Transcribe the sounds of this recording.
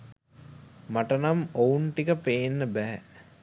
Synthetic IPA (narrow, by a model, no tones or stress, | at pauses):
maʈənamounʈikəpeːnːəbæɦɛ